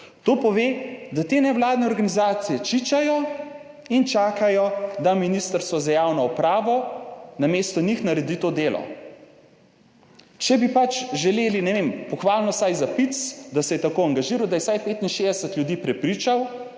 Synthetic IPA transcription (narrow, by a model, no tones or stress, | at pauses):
t̪oːpɔʋeːd̪at̪eːnɛwlaːd̪nɛɔɾɡanizaːt̪sijɛt͡ʃit͡ʃajɔ | int͡ʃaːkajɔd̪aminist̪əɾst̪ʋɔzajaːwnɔɔpɾaːʋɔnameːst̪ɔnixnaɾɛd̪it̪oːd̪eːlɔ̰ | t͡ʃɛbipat͡ʃʒɛleːlinɛʋempɔxʋaːlnɔsajzapit̪sd̪asɛjɛt̪akoaŋɡaʒiːɾawd̪ajɛsajpeːt̪inʃed̪ɛsət̪lʲjud̪iːpɾɛpɾit͡ʃaw